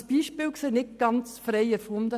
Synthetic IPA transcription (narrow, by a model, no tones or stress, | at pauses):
sb̥iːʃpɪːlkseːnɪt̚ɡ̥ɑnt͡sfɾɛɪɛɾfʊnd̪ə